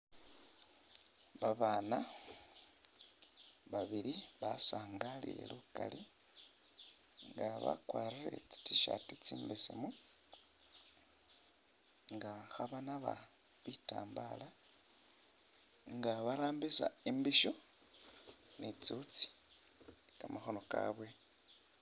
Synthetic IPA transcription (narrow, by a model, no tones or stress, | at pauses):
βaβaːna | βaβiɾiβasaːŋɡalḭjḛluka̰li | ŋɡaβa̰kwaːɾiɾḛt͡si̥tiʃa̰tit͡siːmbesḛmu | ŋɡaxaβanaβa̰ | βita̰ːmbala | ŋɡaβaɾaːmbisaimbiʃo̞ | net͡sut͡si̥ | kamaxo̞no̞ka̰βwe̞